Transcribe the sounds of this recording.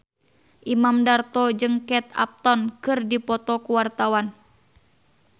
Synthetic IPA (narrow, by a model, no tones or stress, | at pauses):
ʔimamdart̪ɔd͡ʒɨŋkɛt̪a̰p̚t̪ɔnkɨrdipɔt̪ɔkuwart̪awan